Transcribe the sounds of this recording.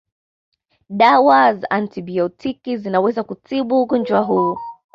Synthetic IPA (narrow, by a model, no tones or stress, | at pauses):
ɗawazaʔantibiɔtʰikizinawɛzakutiɓuːɡɔnd͡ʒwaɦuː